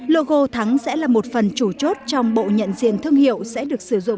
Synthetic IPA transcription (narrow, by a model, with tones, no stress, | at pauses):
lo˧˨ɣo˧˩t̪ʰa˨˦ŋsɛ̰˧˥laː˨˩mo˨˩t̚fə˨˩nt͡ɕu˧˩t͡ɕo˦˥t̚t͡ɕɔ˧wŋ͡mɓo̰˧˨ɲə̰˧˨nzḭ˧˨ənt̪ʰɨ˧əŋhi˧˨əwsɛ̰˧˥ɗɨ˨˩ək̚sɨ˧˩zʊ̰˧˨ŋ͡m